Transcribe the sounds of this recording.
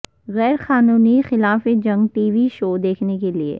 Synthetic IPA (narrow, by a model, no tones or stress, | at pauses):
ɣɛːɾxaːnuːnixɪlaːfed͡ʒɐ̃ŋɡʈiːʋiʃoːd̪eːkʰnekeliḛ